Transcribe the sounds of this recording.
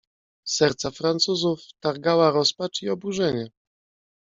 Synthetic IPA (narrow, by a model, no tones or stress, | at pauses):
sɛɾt̪safɾant̪suzuft̪aɾɡawaɾɔspat͡ʂiɔbuʐɛɲɛ